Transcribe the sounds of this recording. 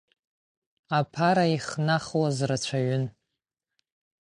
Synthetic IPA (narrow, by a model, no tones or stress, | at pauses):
apʰaɾaiχnaχwazrat͡ɕʷʰaɥʏn